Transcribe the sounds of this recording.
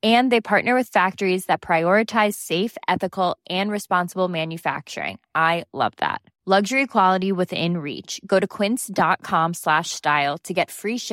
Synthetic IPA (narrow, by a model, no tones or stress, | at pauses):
ɨ̃nðeɪpʰɑɹʔⁿnə˞wɨð̥fæk̚tə˞izðɨt̚pʰɹ̥aɪɔɹɨtʰaɪz̥seɪfɛθɨkl̩ˠʔɨ̃nɹɨspɑ̃nsəbl̩ˠmæ̃njɨfæ̰k̚t͡ʃə̰˞ɪ̰̃ŋʔaɪlʌ̰vðæ̰t̚ | lʌɡʒə˞ikʰw̥ɑlˠəɾiwɪðɪ̰̃nɹḭt͡ʃɡ̥oʊɾɨkʰw̥ɪ̃nsd̥ɑt̚kʰɑ̃mslæʃstaɪlˠtʰɨɡɛtfɹiʃ